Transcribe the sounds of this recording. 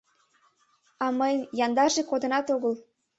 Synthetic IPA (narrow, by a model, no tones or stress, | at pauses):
ɑməjmjɑnd̪ɑʒekod̪ə̆nɑt̪oɣəl